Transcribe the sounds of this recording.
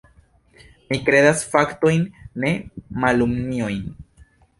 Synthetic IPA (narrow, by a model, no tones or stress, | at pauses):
mikɾe̞d̪asfakt̪o̞jnːe̞malumnio̞jn